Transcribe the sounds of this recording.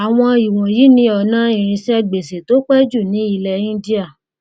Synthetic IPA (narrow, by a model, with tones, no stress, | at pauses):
a˨w̃ɔ̃˧i˨w̃ɔ̃˨ji˨˦nĩ˧˦ɔ˨nã˦ĩ˦˨ɾ̃ĩ˧sɛ˦ɡ͡be˨se˨to˨˦k͡pɛ˦d͡ʒu˦˨nĩ˨˦i˧lɛ˧ĩ˦di˦a˦˨